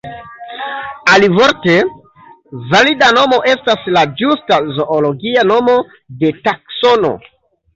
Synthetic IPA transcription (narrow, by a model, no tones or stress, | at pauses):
alivo̞ɾte̞ | validano̞mo̞ʔe̞staslad͡ʒustazo̞ʔolo̞ɡiano̞mo̞ | de̞takso̞no̞̰